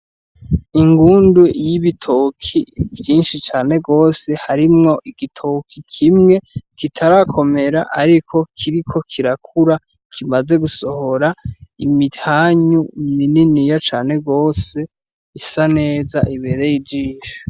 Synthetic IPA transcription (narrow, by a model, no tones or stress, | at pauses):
iŋɡuːndujiβitʰokʰivjiːnʃit͡ʃaːne̞ɡo̞ːse̞haɾimŋo̞ʔiɡ̥itʰokʰikʰimŋe̞kitʰaɾakʰo̞me̞ɾaʔaɾikʰo̞kʰiɾikʰo̞kʰiɾakʰuɾa | kʰimaze̞ɡuso̞ho̞ɾaimithaːɲumininijat͡ʃaːne̞ɡo̞ːse̞ | isane̞ːzaʔiβe̞ɾe̞jid͡ʒiːʒe